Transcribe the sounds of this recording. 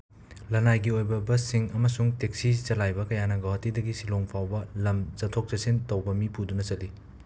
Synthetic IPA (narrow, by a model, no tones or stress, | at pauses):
lɐnajɡiojbɐbɐsiŋɐmɐsuŋtek̚sizɐlajbɐkɐjanɐɡowɐtidɐɡisiloŋpʰawbɐlɐmzɐtʰok̚t͡ʃɐsintɐwbɐmipudunɐt͡ʃɐli